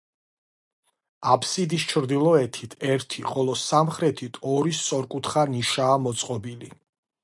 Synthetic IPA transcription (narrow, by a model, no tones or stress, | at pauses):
apʰsid̪ist͡ʃʰɾd̪ilˠɔɛt̪ʰit̪ʰɛɾt̪ʰiχʼɔlˠɔsamχɾɛt̪ʰit̪ʰɔɾist̪sʼɔɾkʼut̪ʰχaniʃaːmɔt̪sʼqʼɔbili